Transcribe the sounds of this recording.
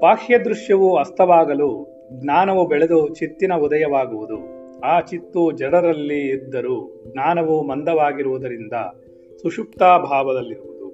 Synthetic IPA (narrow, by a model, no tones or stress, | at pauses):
paːʂjɐd̪ɾuʂjɐʋuɐst̪ʰɐʋaːɡɐlu | ɡnaːnɐʋubɛɭed̪ut͡ʃit̪ːinɐud̪ɐjɐʋaːɡuʋud̪u | aːt͡ʃit̪ːud͡ʒɐɽɐɾɐlːiːd̪ːɐɾuːɡnaːnɐʋumɐnd̪ɐʋaːɡiɾuʋud̪ɐɾind̪ɐ̰ | suʂupt̪aːbʱaːʋɐd̪ɐlːiɾuʋud̪u